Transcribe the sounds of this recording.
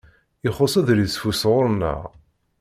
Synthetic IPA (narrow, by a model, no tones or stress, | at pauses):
ɪχosˤæðɾisfusʁʊɾnə̰ʁ